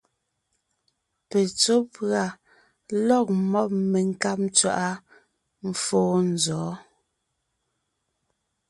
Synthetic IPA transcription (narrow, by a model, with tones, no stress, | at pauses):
pe˨t͡so˦pɰa˨ | lɔ˦˨k̚mɔ˦p̚me˨ŋ̩˦ka˦p̚mt͡sɥa̰˨ʔa˦ | m̩˦foː˦n̩˨zɔː˨˦